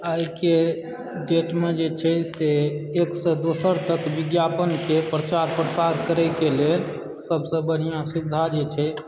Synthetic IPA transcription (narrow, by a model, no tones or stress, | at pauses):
aike | ɖeʈmed͡ʒet͡ʃʰɛseːksə̃d̪osəɾt̪əkbiɡjapənkepɾət͡ʃaɾpɾəsaɾkəɾɛkelel | səbsə̃bən̤ijãsid̪ʱad͡ʒet͡ʃʰɛ